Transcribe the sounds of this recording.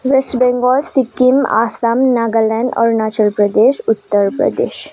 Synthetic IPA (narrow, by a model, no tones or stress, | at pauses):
ʋesʈbɛ̃ŋɡɔlsikima̰ːsamnaːɡalɛ̃nɖɔ̰ɾnat͡ʃəlpɾəd̪eːʃut̪ːəɾpɾə̰d̪ḛːʃ